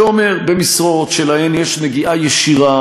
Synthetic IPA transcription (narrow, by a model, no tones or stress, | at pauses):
ome̞ʁbe̞misʁoot̪ʃelahenjeʃneɡiʔajeʃiʁa